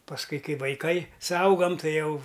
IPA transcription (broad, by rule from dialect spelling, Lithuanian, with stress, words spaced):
pɐsˈkʊɪ ˈkɐɪ ʋɐɪˈkɐɪ sʊɐʊˈɡɐm ˈtɐɪ ˈjɛʊ